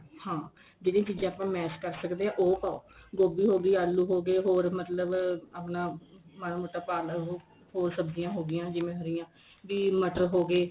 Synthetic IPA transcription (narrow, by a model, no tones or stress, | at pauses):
hãː | d͡ʒeːɽĩːt͡ʃiːd͡ʒãːapãːmɛːskəɾsəkd̪eːãːʔoːpaːo̰ːɡoːbiːɦoːɡiːaːlːuːɦoːɡeːɦoːɾmət̪ləbaːpnãːmanaːmoːʈaːpaːlɦ | hoːɾsəbd͡ʒɪjãːɦoːɡɪjãːd͡ʒɪʋẽːɦəɾɪjãː | ʋiːməʈəɾɦoːɡeː